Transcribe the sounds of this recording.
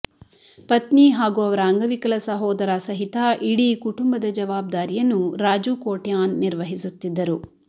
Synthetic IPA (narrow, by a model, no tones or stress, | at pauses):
pɐt̪niɦaːɡuɐʋɐɾɐːŋɡɐʋikɐlɐsɐɦɔːd̪ɐɾɐsɐɦit̪ɐʔiɽikuʈumbɐd̪ɐd͡ʒɐʋaːb̚d̪aːɾijɐnːuɾaːd͡ʒukoːʈjaːnːiɾʋɐɦisut̪ːid̪ːɐɾu